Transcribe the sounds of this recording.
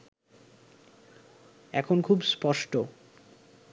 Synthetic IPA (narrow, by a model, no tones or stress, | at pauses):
ɛkʰonkʰubspɔʃʈo